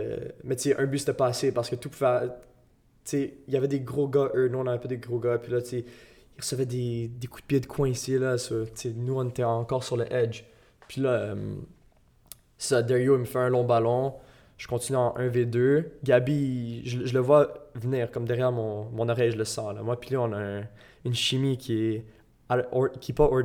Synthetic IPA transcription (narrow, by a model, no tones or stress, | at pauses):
mɛt̪t͡seʔœ̃byse̥t̪ɛpaːsepaʁsə̥kət̪upuvɛ | t͡seilavɛd̪eɡʁoɡaʔønuɔ̃navɛpɑd̪eɡʁoɡapʰɥilʌt͡se | iʁəsəvɛd̪ed̪ekud̪̚bjed̪əkʰwɛ̃isilɐsɔt͡senuɔ̃net̪ɛɑ̃kɔːʁsyʁləʔɛd͡ʒ | pʰɥilʌœm | se̥sad̪ɛʁioiməfɛɛ̃lɔ̃balɔ̃ | ʒ̥ə̥kɔ̃t̪inyɑ̃ʔɛ̃ved̪øɡʲabiʒəʒələvwavəniːʁkɔmd̪ɛʁjɛːʁmɔ̃mɔ̃nɔʁɛjʒələsɑ̃la̰mwapiliɔ̃nã | ynʃimikʲʰiɛ | akʰʲipɔɔ